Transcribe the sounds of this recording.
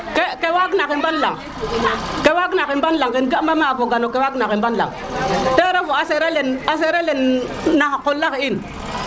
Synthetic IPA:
kekewaɡnakimbanlaŋ | kewaɡnakimbanlaŋkinɡamamaavoɡanokewaɡnakimbanla̰ŋ | teɾavoaseɾelenas̬eɾelenː | akolːakiin

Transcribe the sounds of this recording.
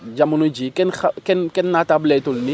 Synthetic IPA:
ɟamunuɟikɛnakɛnkɛnːatablɛtulni

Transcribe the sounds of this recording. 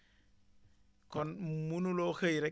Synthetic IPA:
kɔnmunuloxəjɾɛ

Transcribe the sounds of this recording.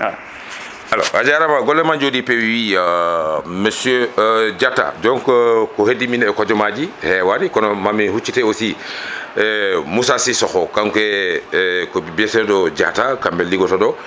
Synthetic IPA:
alɔ̰ad͡ʒaɾamaɡɔlːɛmand͡ʒodipɛwiwi | məsøɟatːa̰d͡ʒɔŋkkɔhediminɛkɔd͡ʒɔmaɟihɛwaɾikɔnɔmamihut͡ʃːitɛosi | ɛmusasisɔxɔkaŋkɛ | kɔbibɛsɛdɔɟa̰takambɛliɡɔtadɔ

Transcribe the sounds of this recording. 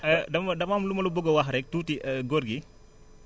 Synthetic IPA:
ədɐmɐdɐmamlumɐlubɔɡɔwɐɦɾɛk̚tuːtiəɡorɡi

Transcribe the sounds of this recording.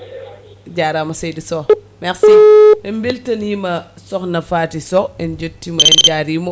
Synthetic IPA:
ɟaːɾamɐsejdisɔ | mɛksiɛmbiltɐnjimɐ | sɔxnɐfaːtisɔɛnd͡ʒutːimɐɛnɟaːɾimo

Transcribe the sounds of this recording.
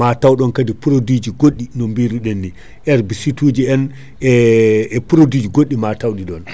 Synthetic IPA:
atawɗɔnkadipuɾodid͡ʒiɡoɗːinombiɾuɗenːi | ʔɛɾbisituːd͡ʒiɛn | ɛɛpuɾodid͡ʒiɡoɗːimatawɗiɗɔn

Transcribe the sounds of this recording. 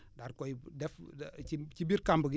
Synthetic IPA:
daɾkɔjdɛfit͡ʃibiɾkambəɡi

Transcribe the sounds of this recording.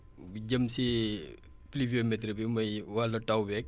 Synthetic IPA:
buɟəmsi | pliviomɛtɾəbimɐjwalːɐtɐwbɛk̚

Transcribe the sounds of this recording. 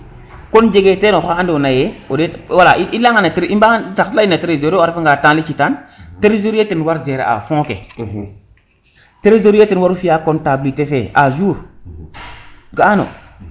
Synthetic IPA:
kond͡ʒeɡetenoxaandonajeodewalaiʔilaŋanatiɾimbatatilainateɾezoɾeafŋɡatãlit͡ʃitanteɾizoɾetinwaɾzeɾḛa̰fõkḛ | teɾezoɾjetinwaɾufiakontablitefeʔa̰ʒuːɾ | ɡaano̰

